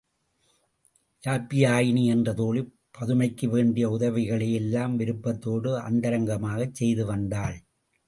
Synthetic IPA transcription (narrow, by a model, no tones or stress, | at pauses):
jaːpːijaːjɪniɛndrɐðoːɭi | pːɐðɯmɐɪkːɯʋeːɳɖɪjɐʊðɐʋɪɣɐɭɐjɛlːaːmʋɪɾɯpːɐt̪ːoːɽɯɐ̰nd̪ɐɾɐŋɡɐmaːɣɐt͡ʃsɛjðɯʋɐnd̪aːɭ